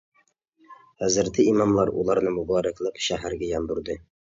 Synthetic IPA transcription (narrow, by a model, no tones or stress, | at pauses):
hæzɪɾt̪ʰɪimɑmlˠɑɾṵlˠɑɾnɪmʊbɑɾæklˠɪqʃæɦæɾɡʲæjɑmb̪uɾd̪ɪ